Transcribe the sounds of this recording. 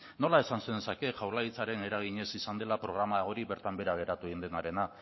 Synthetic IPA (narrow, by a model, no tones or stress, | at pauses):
no̞lae̞sansend̪e̞sake̞ʝawlait͡saɾe̞ne̞ɾaɣ̞iɲe̞sisand̪e̞lapɾo̞ɣ̞ɾamaɣo̞ɾiβe̞ɾt̪ambe̞ɾaɣ̞e̞ɾat̪uind̪e̞naɾe̞na